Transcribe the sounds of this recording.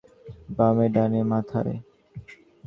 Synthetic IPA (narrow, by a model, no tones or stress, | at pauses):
bameɖanemat̪ʰaɾḛ